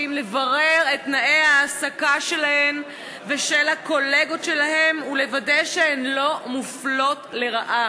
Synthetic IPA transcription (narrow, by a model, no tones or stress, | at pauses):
imlevaʁe̞ʁetnaʔeaːsakaʃe̞lahem | veʃelako̞leɡo̞tʃe̞lahe̞mule̞vadeʃeenlo̞muflo̞tle̞ʁaʔa